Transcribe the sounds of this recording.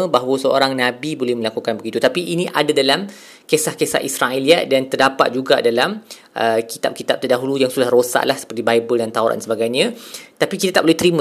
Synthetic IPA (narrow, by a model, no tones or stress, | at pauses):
ə̃baɦwəsəo̰ɾaŋnãbibolɛhməlakukanbəɡit̪ut̪apiʔinĩʔadadalam | kesahkesahisɾaeliaʔ̪̚dant̪ərdapa̰t̪̚d͡ʒuɡadalam | ʔəkit̪ap̚kit̪ap̚t̪ərdaɦulujaŋsudahrosa̰ʔlahsə̥pərt̪ibajbəldant̪aoɾa̰nnsəbaɡajɲãt̪apikit̪at̪aʔbolɛht̪əɾimə̃